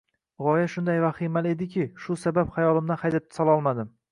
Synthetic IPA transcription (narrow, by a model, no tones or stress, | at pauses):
ʁɒjaʃʊnd̪ajvaχimale̞d̪ɪkʲɪʃʊsabapχajɒlˠɪmd̪anχʰajd̪ap̚t̪ɪ̥sɒlˠɒlˠmad̪ɪm